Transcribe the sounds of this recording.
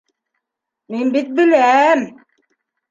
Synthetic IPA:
minbit̪̚bilæm

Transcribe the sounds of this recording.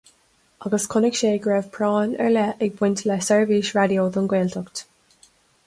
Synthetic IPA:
ɑɡəskʰʊnɪkʃeːɡɹɛːv̥pʰɹɔːnə̰ɹlɛʔɪɡ̚bwɪntʰlɛsɛɹviʃɹadjoːðənɡweːltʰɔkt

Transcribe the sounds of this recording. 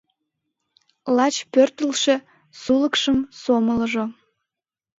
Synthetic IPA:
lɑt͡ɕpørt̪əlʃe | suləkʃəmsomələʒo

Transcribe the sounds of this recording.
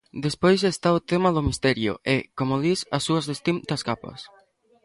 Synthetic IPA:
d̪espojsest̪aʊt̪emɐðʊmist̪ɛɾjʊ̰ʔɛkomʊðisɐ̰sːuɐzðest̪imt̪ɐskapɐ̰s

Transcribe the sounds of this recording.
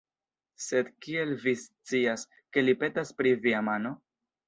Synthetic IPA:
se̞d̪kie̞lvist͡sias | ke̞lipe̞taspɾiviamano̞

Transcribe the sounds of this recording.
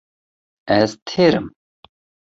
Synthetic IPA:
ɛzt̪ʰeːɾɨ̰m

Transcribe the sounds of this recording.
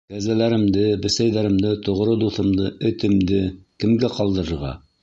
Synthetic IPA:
kæzælæɾɘ̆md̪ɘbɘ̆sæjðæɾɘ̆md̪ɘt̪ŏʁɾɤd̪uθɤ̆md̪ɤɵ̆t̪ɘ̆md̪ɘkɘ̆mɡæqɑlˠd̪ɤ̆ɾɤ̆ɾʁɑ̰

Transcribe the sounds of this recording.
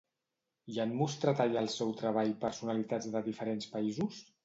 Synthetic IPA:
janmust̪ɾat̪aʎalˠsɛwt̪ɾəβ̞aʎpəɾsunəlit̪ad͡zðəðifəɾenspəizus

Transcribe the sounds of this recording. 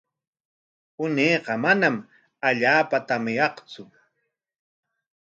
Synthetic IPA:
ʊneːqɑmanam | aʎaːpat̪amɪjɑχt͡sʊ

